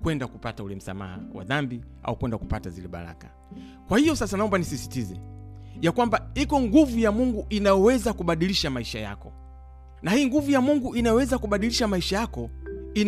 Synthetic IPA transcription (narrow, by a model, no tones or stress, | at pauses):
kwɛndakupataulɛm̩sa̰ma̰ha̰wa̰ðambiʔa̰ukwɛndaku̥patazilɛɓa̰ɾa̰kḁ | kwahijɔsasanaɔmbanisisi̥tizɛ | jakwambaikɔŋɡuvujamuŋɡuʔinajɔwɛzakuɓaɗiliʃamaiʃaja̰kɔ | nahiːŋɡuvujamuŋɡuʔinajɔwɛzakuɓaɗiliʃamaiʃajakɔin